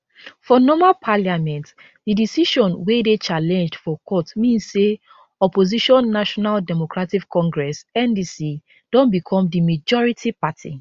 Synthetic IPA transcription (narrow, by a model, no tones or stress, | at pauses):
fɔnɔmapʰaliamɛ̃nt | didisiʃɔ̃nwedet͡ʃalɛ̃nd͡ʒdfɔkʰɔtmĩnsːe | ɔpoziʃɔ̃nːaʃɔnaldɛmokɹatikkɔ̃ŋɡɹɛsɛ̃ndisi | d̥ɔ̃nbikʰɔ̃mdimad͡ʒɔɹitʰipatʰḭ